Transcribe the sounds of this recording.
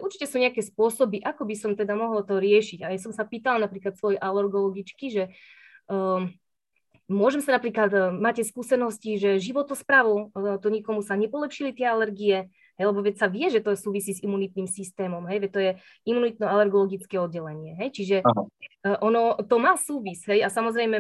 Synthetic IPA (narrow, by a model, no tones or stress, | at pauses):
ʔuɾt͡ʃicɛsuɲɛakɛːspʊɔsɔbiʔakɔbisɔmt̪ɛd̪amɔɦɔlt̪ɔɾɪɛʃiɟajas̬ɔmsapiːt̪alnapɾiːklat̪sʋɔjɛʔalɛɾɡɔlɔɡit͡ʃkiʒɛ | mʊɔʒɛmsanapɾiːklad̪maːcɛskuːsɛnɔsciʒɛʒiʋɔt̪ɔspɾaʋɔt̪ɔɲɛkɔmusaɲɛpɔlɛpʃilit̪ɛalɛɾɡiɛ | ɦɛjlɛbɔʋɛcsaʋɪɛʒɛt̪ɔsuːʋisiːzimunit̪niːmsist̪ɛːmɔmɦɛjʋɛt̪ɔjɛ | ʔimunit̪nɔalɛɾɡɔlɔɡit͡skɛɔd̪̚ɟɛlɛɲɪɛɦɛjt͡ʃiʒɛ | ʔɔnɔt̪ɔmaːsuːʋisɦɛjasamɔzɾɛjmɛ